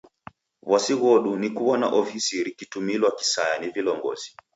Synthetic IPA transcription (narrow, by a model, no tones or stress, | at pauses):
βwasiɣɔɗunikuwɔna̰ʔɔfisiɾikitumilwaki̥sajanivilɔŋɡɔ̰zi̥